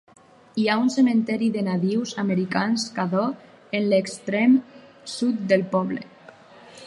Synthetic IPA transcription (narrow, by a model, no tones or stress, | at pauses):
iaunsemẽnt̪ɛɾiðenaβiwzameɾikanskaðɔ | enlekst̪ɾɛm | sut̪̚d̪elpɔβlḛ